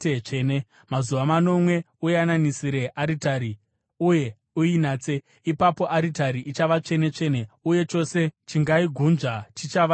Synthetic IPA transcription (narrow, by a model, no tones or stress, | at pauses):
t͡ʂene | mazuʋamano̞mwe̞ | ujananisiɾe̞ʔaɾitaɾi | uje̞ | uinaːt͡se̞ | ipapo̞ʔaɾitaɾiʔit͡ʃaʋat͡ʂe̞ne̞t͡ʂe̞ːne̞uje̞t͡ʃo̞se̞t͡ʃiŋɡaiɡʱunʐatʰit͡ʃaʋa